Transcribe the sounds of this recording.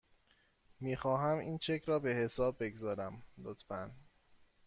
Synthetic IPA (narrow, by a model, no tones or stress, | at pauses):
miːxɒːɦæmiːnt͡ʃʰecʰɾɒːbe̞he̞sɒːbːe̞ɡzɒːɾæmlot̪ʰfæn